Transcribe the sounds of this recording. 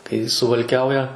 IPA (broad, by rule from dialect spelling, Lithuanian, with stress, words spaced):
kɐɪ sʊʋɐlʲˈkʲɛʊjɛ